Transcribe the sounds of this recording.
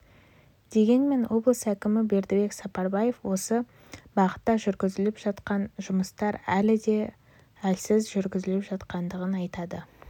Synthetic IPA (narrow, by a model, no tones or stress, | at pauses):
d̪̥e̞ɡʲe̞nme̞nwʔo̞blˠəsækʲɪmɪbe̞ɾd̪ɪbe̞ksɑpɑɾbɑje̞fwo̞sə | bɑʁə̥t̪ːɑʒʏɾɡʲɪzɪlɪpʒ̥ɑt̪qɑnʒʊməst̪ɑɾælɪd̪e̞ | ælsɪzʒʏɾɡʲɪzɪlɪpʒɑt̪qɑnd̪əʁənɑjt̪ɑd̪ə